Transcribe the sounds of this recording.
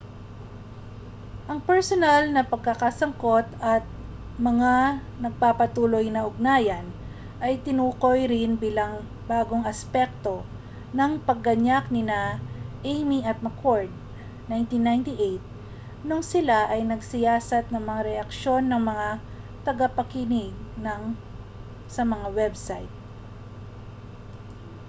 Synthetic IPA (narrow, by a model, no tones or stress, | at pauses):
ʔɐŋpɛɹsonalnɐpɐɡ̚kɐkasɐŋko̞t̪ɐt̪̚ | mɐŋa | nɐɡ̚papɐt̪uːlo̞jnɐʔʊɡ̚naːjɐn | ʔɐjt̪ɪnuːko̞jɾɪnbiːlɐŋ | baːɡo̞ŋɐspɛk̚t̪o̞ | nɐŋpɐɡːɐɲak̚nɪnaʔejmiʔɐt̪̚mɐkʰoɹd̪̚ | najnt̪inːajnt̪ɪʔejt̪̚ | noŋsɪlaʔɐjnɐɡsɪjaːsɐt̪̚nɐŋmɐŋaɾɛʔɐkʃo̞nːɐŋmɐŋa | t̪ɐɡapɐkinɪɡ̚nɐŋ | sɐmɐŋawɛbsajt̪̚